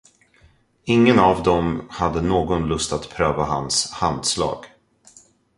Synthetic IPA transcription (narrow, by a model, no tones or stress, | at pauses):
ɪŋːənavd̪ɔmhad̪ːənoːɡɔnlɵst̪at̪pʰɾøːvaha̰nshand̪slɑ̰ːɡ̥